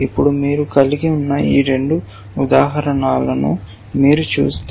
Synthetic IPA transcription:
ipːuɽumiːɾukɐliɡiunːɐḭːɾe̞ɳɖu | ud̪aːɦɐɾɐɳaːlɐnṵ | miːɾut͡ʃṵːst̪

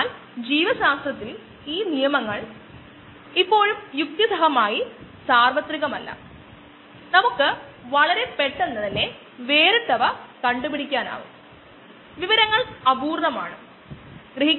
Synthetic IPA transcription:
l | d͡ʑiːʋɐɕaːst̪rɐt̪ːil | iːnijɐmɐŋːɐɭ | ipːo̞ːɻumjuk̚t̪jɐsɐɦɐmaːjisaːrʋɐt̪ɾiɣɐmɐlːɐ̰ | nɐmukːɨ | ʋɐɭɐɾe̞pe̞ʈːenːɐðinːe̞ | ʋe̞ːɾɨʈ̪ːɐʋɐkɐɳɖubiɽikʲːaːna̰ːʋṵm | ʋiʋɐɾɐŋːɐɭɐbuːrnɐmaːɳɨ | ɡrɨɦikː

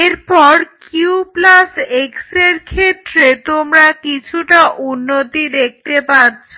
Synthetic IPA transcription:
eɾpɔɾkuplasekseɾkʰet̪ɾet̪omɾakit͡ɕʰuʈaʔunːot̪id̪ek̚t̪epaɾt͡ɕʰo

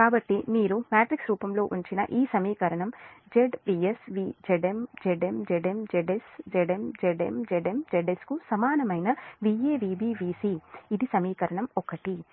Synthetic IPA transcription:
kaːbɐʈːimiːɾumaːʈɾiksɾuːpɐmlo̞ːʔuɲt͡ʃinɐ̰ʔiːsɐmiːkɐɾɐɳɐmd͡ʒeɖʋiːesʋiːd͡ʒeɖemd͡ʒeɖemd͡ʒeɖemd͡ʒeɖesd͡ʒeɖemd͡ʒeɖemd͡ʒeɖemd͡ʒeɖeskusɐmaːnɐmɐjnɐʋieːʋiːbiːʋiːsiid̪isɐmiːkɐɾɐɳɐmɔkɐʈi

